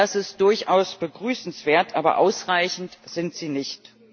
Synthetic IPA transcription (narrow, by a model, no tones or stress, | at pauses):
asɪst̚d̥ʊɐçʔaʊsb̥əɡʁyːsn̩sv̥eːɐtʔaːbɐ̰ʔaʊsʁaɪçn̩tz̥ɪntz̥iːnɪçt